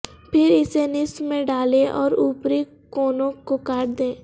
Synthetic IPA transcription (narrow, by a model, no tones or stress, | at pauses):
pʰɪɾɪsenɪsmẽɖaːleʔɔːɾuːpɾe | kɔːnõkokaːʈd̪ẽː